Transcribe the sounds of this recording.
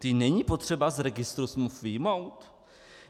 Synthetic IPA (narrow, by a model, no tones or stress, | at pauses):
t̪ɪnɛɲipo̞t̪r̝̥ɛbazɾɛɡɪst̪ɾusmufvɪjmo̞wt̪